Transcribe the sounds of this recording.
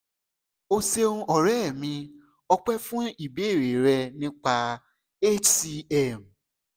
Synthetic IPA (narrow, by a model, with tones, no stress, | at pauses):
o˧se˧ũ˧ʔɔ˨ɾɛ˦˨mĩ˧ | ɔ˧k͡pɛ˦fũ˦i˦˨be˨˦e˦˨ɾe˨ɾɛ˧nĩ˦k͡pa˧ | e˦ti˧ɛ˦˨m˨